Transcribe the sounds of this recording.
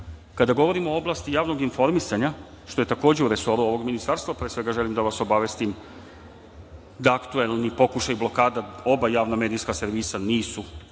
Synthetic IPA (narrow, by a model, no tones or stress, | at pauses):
kad̪aɡo̞ʋo̞ɾimooo̞blˠaːst̪ijaːʋno̞ɡinfo̞ɾmisaɲa | ʃt̪o̞je̞t̪ako̞ːd͡ʑe̞uɾeso̞ɾuo̞ʋo̞ɡminist̪aɾst̪vapɾeːsʋe̞ɡaʒe̞limd̪aʋaso̞baʋe̞st̪im | d̪aːkt̪ue̞lˠnipo̞kuʃajiblo̞kaːd̪ao̞bajaːʋname̞ːd̪ijskase̞ɾʋisaniːsu